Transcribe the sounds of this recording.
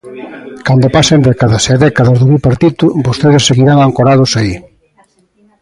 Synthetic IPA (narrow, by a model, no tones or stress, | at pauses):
kand̪opasend̪ɛkaðɐsaðɛkaðɐzðuβipaɾt̪it̪ʊbost̪eðɪsseɣiɾaŋaŋkoɾað̞ʊsai